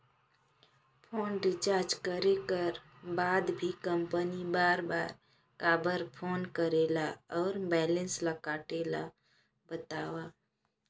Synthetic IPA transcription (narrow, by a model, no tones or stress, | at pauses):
pʰoːnɖɪt͡ʃaːɾd͡ʒkəɾekəɾ | baːd̪bʱikə̃mpənibaːɾbaːɾ | kaːbəɾpʰoːnkəɾelaɔːɾbɛːlə̃nsləkaːʈeːla̰ | bət̪aːwa